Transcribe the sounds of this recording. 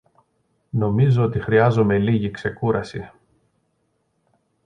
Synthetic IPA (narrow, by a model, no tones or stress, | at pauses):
no̞mizo̞ot̪ixɾiɐzome̞liʝikse̞kuɾɐsi